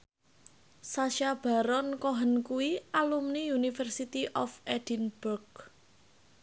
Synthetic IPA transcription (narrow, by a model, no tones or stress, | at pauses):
saʃab̥a̤ɾɔnkɔɦənkuwiʔalumniunifərsit̪iʔɔfɛd̥inb̥urɡ